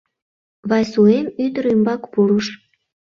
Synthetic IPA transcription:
βɑjsuemyd̪əɾymbɑkpuɾuʃ

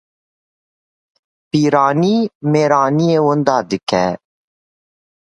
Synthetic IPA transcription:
piːɾaːniːmeːɾaːnieːwʊnd̪ɑːd̪ɨkɛ

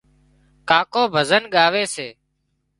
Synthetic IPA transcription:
kaːkoːbʱəzənɠaːʋeːseː

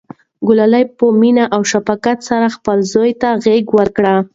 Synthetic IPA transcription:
ɡʊlalajpəminaʔawʃafakat̪saɾaxpəlzojt̪aɣeɡwəɾkɽa

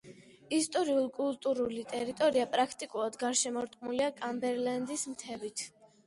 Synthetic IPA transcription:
ist̪ʼɔɾiulˠkʼulˠt̪ʼuɾulit̪ʼɛɾit̪ʼɔɾiapʼɾakʰt̪ʼikʼulˠad̪ɡaɾʃɛmɔɾt̪ʼqʼmuliakʼambɛɾland̪ismt̪ʰɛvit̪ʰ

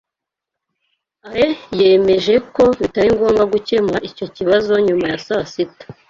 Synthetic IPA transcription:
aɾeje̞ːme̞ʒe̞ko̞βitaɾiŋɡoːŋɡaɡuce̞maʔico̞ciβazo̞ɲumajasasitḁ

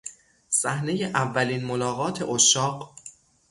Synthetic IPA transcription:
sæhne̞jeʔævːæliːnmolɒːɣɒːt̪ʰe̞ʔoʃɒːq

